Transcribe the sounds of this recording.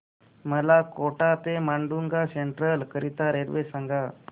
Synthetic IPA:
məlakoʈat̪emaɳɖuŋɡaseɳʈɾəlkəɾit̪aɾeɾʋesaŋɡa

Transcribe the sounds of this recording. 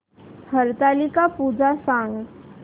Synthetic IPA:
həɾt̪aːlikapuːd͡ʒasãːŋɡ

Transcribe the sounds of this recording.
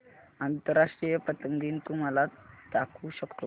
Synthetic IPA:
ant̪əɾaʂʈɾijəpət̪əŋɡiːnt̪um̤alat̪akʰuːɕəkt̪o

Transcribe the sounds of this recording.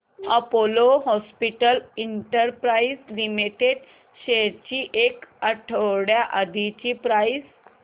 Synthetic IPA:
əpoloɦɔspiʈəliɳʈəɾpɾaizlimiʈ̪eɖ̪ | ɕeɾt͡ɕiːʔekəʈʰəwɽjaʔəd̪ʱit͡ɕipɾajis

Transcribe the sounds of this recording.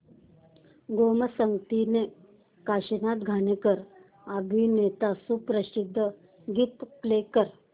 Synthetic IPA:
ɡoməsəŋɡt̪ine | kaɕinat̪ɡʱanekəɾ | abʱinet̪asupɾəsid̪ʱːə | ɡit̪plekəɾ

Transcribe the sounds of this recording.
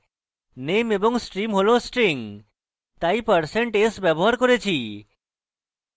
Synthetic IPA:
nemebɔŋsʈɾimɦolosʈɾiŋ | t̪aipəɾseɳʈesbɛbɔɦaɾkɔɾet͡ʃʰi

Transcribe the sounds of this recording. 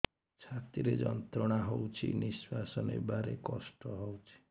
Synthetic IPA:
t͡ʃʰat̪iɾed͡ʒɔnt̪ɾɔɽ̃aɦowt͡ʃʰḭniswasɔnḛbaɾekɔsʈɔɦɔwt͡ʃʰi̥

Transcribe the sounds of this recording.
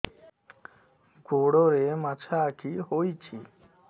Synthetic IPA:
ɡoɽɔɾemat͡ʃʰakʰiɦojt͡ʃʰi

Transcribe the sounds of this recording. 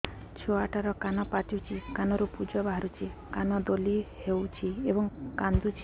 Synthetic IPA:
t͡ʃʰoaʈʰaɾɔkanɔpaʈiwt͡ʃʰikanɔɾupud͡ʒɔbaɦaɾut͡ʃʰikanɔd̪olihewt͡ʃʰiebɔŋkand̪ut͡ʃʰ

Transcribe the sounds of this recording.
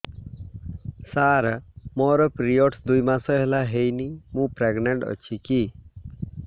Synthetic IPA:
saɾmɔɾɔpɾijoʈsd̪ujmasɔɦelaɦejnimũpɾeɡneɳʈʌ̰t͡ʃʰiki

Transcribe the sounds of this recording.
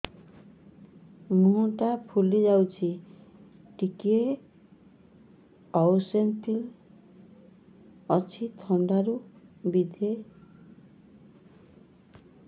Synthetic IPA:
mũʈapʰulid͡ʒawt͡ʃʰi | ʈikie | ɔwsentil | ɔt͡ʃʰit̪ʰɔɳɖaɾubid̪ʱe

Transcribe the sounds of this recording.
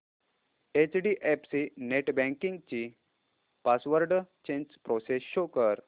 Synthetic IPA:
et͡ɕɖiʔepsineʈbɛ̃ŋkiŋɡt͡ɕi | pasʋəɾɖt͡ɕẽɲd͡ʑpɾosesjokəɾ

